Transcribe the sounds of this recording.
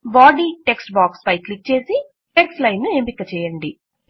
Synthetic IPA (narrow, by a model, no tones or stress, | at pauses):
ʋaːɖiːʈe̞ksʈbaːkspɐjklik̚t͡ʃe̞ːsi | ʈeksʈlɐjnːue̞ːmpikːɐt͡ʃɛːjɐɳɖi